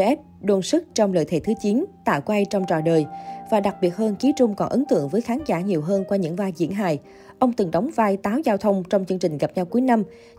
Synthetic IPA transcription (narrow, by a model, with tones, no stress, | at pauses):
ʔɛ˦˥p̚ɗo˧nsɨ˦˥k̚t͡ɕɔ˧wŋ͡mlə̰ː˧˨jt̪ʰḛ˧˥˩t̪ʰɨ˨˦t͡ɕi˨˦nt̪a̰ː˧˨wkwa˧jt͡ɕɔ˧wŋ͡mt͡ɕɔ̰˧˩ɗəː˨˩jvaː˨˩ɗa˨˩k̚ɓi˨˩ət̚həː˧nki˨˦t͡ɕʊ˧ŋ͡mkɔ˨˩nʔə˨˦nt̪ɨ̰˧˨əŋvəː˨˦jxaː˨˦nzaː˧˩ɲi˨˩əwɦəː˧nkwaː˧ɲɨ̰˧˥ŋvaː˧jzḭ˧˥ənɦa̰ː˧˨j | ʔə˧wŋ͡mt̪ɨ˨˩ŋɗə˨˦wŋ͡mvaː˧jt̪aː˨˦wzaː˧wt̪ʰə˧wŋ͡mt͡ɕɔ˧wŋ͡mt͡ɕɨ˧əŋt͡ɕï˨˩ŋ̟ɣa˨˩p̚ɲa˧wkuː˨˦jna˧m